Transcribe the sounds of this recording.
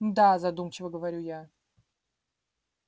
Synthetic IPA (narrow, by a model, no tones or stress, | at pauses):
d̪azɐd̪umt͡ɕɪvəɡəvɐɾʲuja